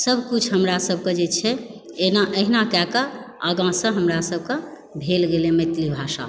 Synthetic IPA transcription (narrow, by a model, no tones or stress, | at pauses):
səbʱkut͡ʃʰɦəmɾasəbʱked͡ʒet͡ʃʰɛ | enaʔəɦinakɛkə | əɡãsə̃ɦəmɾasəb̚ʱkə̃ | bʱelɡelemet̪libʱaʃa̰